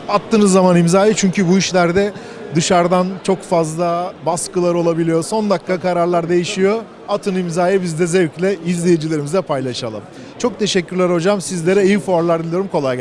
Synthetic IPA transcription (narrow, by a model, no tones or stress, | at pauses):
at̪ʰːɯːnɯzːamanimzaːjɯt͡ʃʰyɲcʰybuiʃlʲæɾd̪ɛ | d̪ɯʃaɾd̪ant͡ʃʰo̞kfazlˠabaskɯlˠaɾo̞lˠabilʲijo̞so̞nd̪akʰːakaɾaɾlˠaɾd̪e̞jiʃijo̞ | at̪ʰɯnɯimzaːjɯbizd̪ɛzɛvclʲɛizlʲejed͡ʒilʲe̞ɾimizɛpʰajlˠaʃalˠɯm | t͡ʃʰo̞k̚t̪ʰe̞ʃɛcʰːyɾlʲæɾo̞d͡ʒamsizlʲe̞ɾɛijɯfuaɾlˠaɾd̪ilʲˠijoɾumkʰo̞lˠaj